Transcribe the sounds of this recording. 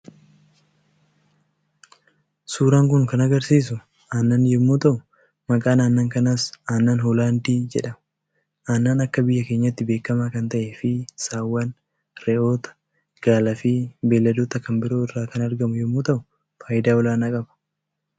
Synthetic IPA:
suːɾaːŋk̬ʊnkɐnɐɡɐɾsiːs̬ʊ | aːnːɐnjɛmːuːt̪ɐʔʊ | mɐkʼaːnaːnːaːŋkɐnasaːnːaːnɦɔlaːnd̪iːd͡ʒɛ̰ᶑɐm | ʔaːnːaːnɐkːɐbɪjːɐke̞ːɲːɐt̪ːɪbeːkːɐmaːkɐnt̪ɐʔeːfɪsaːwːɐn | ɾɛʔo̞ːt̪ɐ̥ | ɡ̥aːlɐfiːbeːlːɐd̪oːt̪ɐkɐmbɪɾo̞ːɪrːaːkɐnɐɾɡɐmʊjɛmːoːt̪ɐʔʊ | faːjɪd̪aːwɔlaːnɐkʼɐbɐ̥

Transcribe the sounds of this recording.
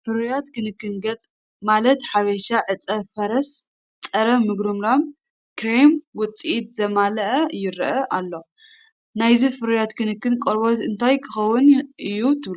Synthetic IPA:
fɨɾujat̪kʰɨnɨkːɨnɡɐt͡sʼ | malɐt̪ħaβɐʃaʕɨt͡sʼɐfɐɾɐs | t͡sʼɐɾɐmɨɡɾɨmɾam | kɾejmwɔt͡sʼiit̪̚zɐmalɐʔɐjɪɾʔɐʔalːo̞ | najzifɨɾjat̪kʰɨnɨkːɨnkʼɐɾbot̪ɨnt̪ʰajkʰɨxɐwːʊnʔɨjut̪ʰɨβlu

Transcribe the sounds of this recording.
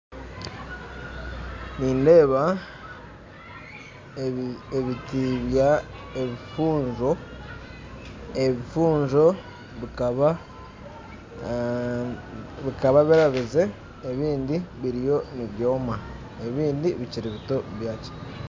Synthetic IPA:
niːnde̞ːβa | eβitiβjaeβifuːɲʒo̞ | eβifuːɲʒo̞ | βikβ | βikaβaβiɾaβize̞ː | βiːndiβiɾijo̞niβjo̞ːma | e̞βiːndiβiciɾiβito̞βjaːt͡ʃe̥

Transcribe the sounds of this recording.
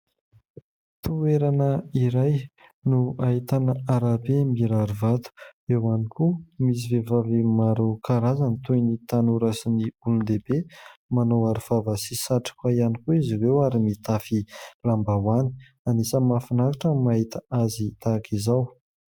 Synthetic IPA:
t̪ueɾanəiɾaj | nuaɦit̪anəaɾabemiɾaɾuvat̪u̥ewanikʰumis̬ivevavimaɾokʰaɾazanit̪ujnit̪anuɾasiniulund̪ebemanowaɾifavasisaʈ͡ʂḁkwaianikuiziwewaɾimit̪afilambawani̥ | anisəmafinaɾaʈ͡ʂəmaɦit̪əazit̪akʰizaw

